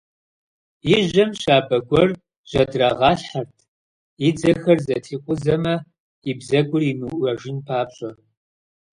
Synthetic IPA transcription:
jɪʒɐmɕaːbɐɡʷɔr | ʑ̥ɐdraːʁɑːɬħɐrtʰ | jɪd͡zɐxɐrzɐtʰiːqʷʼʊzɐmɐ | ibzɐɡʷʊrimɨwʔʷɐʒɪnpʰaːpɕʼɐr

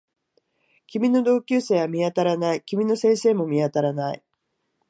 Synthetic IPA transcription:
kʲimʲino̞d̪o̞ːkʲɨːse̞ːβamʲiat̪aɾanaikʲimʲino̞sẽ̞ːse̞ːmo̞mʲiat̪aɾanaḭ

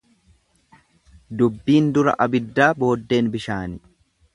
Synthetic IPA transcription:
d̪ʊbːiːnd̪ʊɾɐ̰ʔɐbɪd̪ːaːbo̞ːd̪ːe̞ːnbɪʃaːnɪ

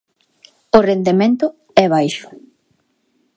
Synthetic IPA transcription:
ʊrend̪emẽnt̪ʊ | ɛβ̞ajʃʊ̥

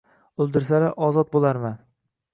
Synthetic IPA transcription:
ʊlˠd̪ɪɾsaɾaʔɒzɒt̪̚bolˠaɾman

